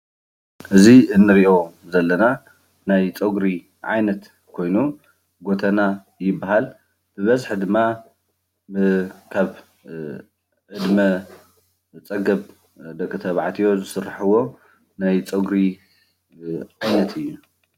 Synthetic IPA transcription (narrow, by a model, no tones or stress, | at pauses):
ʔɨziɨnːɨɾiʔo̞zɐlːɐna | najt͡sʼoɡɾi | ʕa̰jnɐt̪ | kʰo̞jnu | ɡot̪ʰɐna | jɪbːaɦal | b̥ɨβɐzħd̪ɨmːa | ɨkʰaβ | ʕɨd̪mɐ | t͡sʼɐɡɐβ | d̪ɐkʼːɨt̪ʰɐβʕat̪ʰijo̞zɨsɨrːaħɨwo̞ | najt͡sʼɐɡɾi | ʕajnɐt̪ʰɨjːu